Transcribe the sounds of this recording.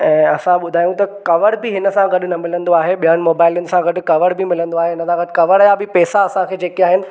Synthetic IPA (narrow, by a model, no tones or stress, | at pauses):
ɛ̃ːɐsãɓʊd̪ʱaːjũt̪ɐkɐʋəɽbɪɦɪnə̆sãɡɐɗʊ̆nɐmɪlə̃nd̪oaːɦeɓijənɪ̆moːbaːɪljʊnɪ̆sãɡɐɗʊ̆kɐʋəɽbʱɪmɪlə̃nd̪oaːɦeɦɪnəsãɡɐɖkɐʋəɾjabɪpɛːsaɐsãkʰeːd͡ʑeːkiaːɦɪnɪ̆